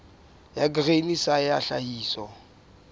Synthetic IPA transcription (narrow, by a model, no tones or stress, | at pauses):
jakɪrenisajaɬahiːsɔ